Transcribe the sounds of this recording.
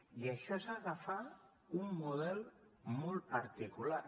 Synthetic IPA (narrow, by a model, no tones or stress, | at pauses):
iaʃɔsaɣafa | umːuð̞ɛlˠmɔlˠpaɾt̪ikula